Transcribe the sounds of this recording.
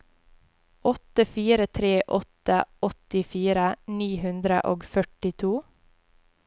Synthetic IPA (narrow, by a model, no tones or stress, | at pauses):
ɔt̪əfiːɾət̪ʰɾeːʔɔt̪əɔt̪ɪfiːɾəniːhʉnd̪ɾə̰ʔoːɡfœʈɪt̪ʰuː